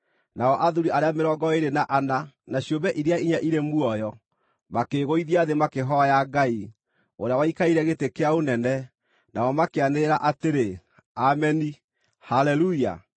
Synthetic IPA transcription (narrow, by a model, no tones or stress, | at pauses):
naɔʔaðuɾiaɾeameɾɔɡɔeɾenaʔananaɕiombɛʔiɾeaiɲaʔiɾemuɔjɔ | makeɣoiðiaðemakeɦɔjaɡai | oɾeawaikaiɾɛɣetekeaonɛnɛ | naɔmakeaneɾaʔateɾe | amɛni | halɛluia̰